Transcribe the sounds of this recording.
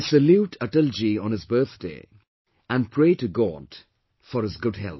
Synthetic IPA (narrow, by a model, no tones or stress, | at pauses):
səljuːʈʰəʈəld͡ʒiə̃nɨzbɜ˞θd̥ḛː | æ̃npʰɹeːtɨɡɔd̥ | fɔɾɨzɡʊd̚hɛ̰lˠp̚